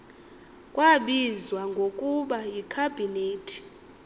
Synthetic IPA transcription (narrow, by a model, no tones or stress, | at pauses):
kʼwaɓizwaŋɡʱokʼuɓajikʰabʱineːtʰi̥